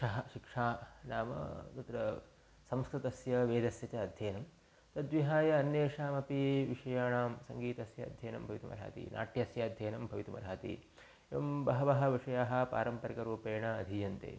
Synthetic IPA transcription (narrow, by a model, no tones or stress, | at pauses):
ɐɦɐʃikʂaːnaːmɐ̰d̪ɐt̪ɾɐ | sɐmskɾut̪ɐsjɐʋeːd̪ɐsjɐt͡ʃɐːd̪ʱjɐːnɐm | t̪ɐd̪ʋiɦaːjɐɐnjeːʂaːmɐpiʋiʂɐjaːɳaːmsɐŋɡiːt̪ɐsjɐɐ̰d̪ʱjeːnɐ̰mbʱɐʋit̪umɐ̰ɾa̰ːt̪ḭnʔa̰ːʈʰjɐsjɐɐd̪ʱjeːnɐmbʱɐʋit̪umɐ̰ɾaːt̪ḭ | eʋɐmbɐɦɐʋɐɦɐ̆ʋiʂɐjaːɦɐ̆pa̰ːɾɐmpɐɾikɐɾuːpeːɳɐɐd̪ʱijɐnt̪ḛː